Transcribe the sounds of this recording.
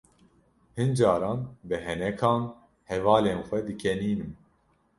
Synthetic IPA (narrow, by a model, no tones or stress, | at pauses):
hɨnd͡ʒɑːɾɑːnbɨɦɛnɛkʰɑːn | hɛvɑːleːnxʷɛd̪ɨkʰɛniːnɨm